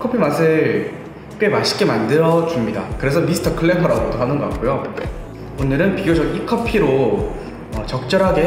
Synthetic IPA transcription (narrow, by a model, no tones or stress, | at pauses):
kʰʌpʰimasʰɯɭ | k͈wemaɕʰi̥k͈emandɯɾʌt͡ɕumɲida̰kɯɾe̞s̬ʰʌmisʰɯ̥tʰʌkʰɯɭːepʰʌɾaɡodoɦanɯnɡʌk͈ak͈ojo | onɯɾɯnpiɡjod͡ʑʌɡikʰʌpʰiɾo | ʌt͡ɕʌk̚t͡ɕ͈ʌɾɦaɡe̞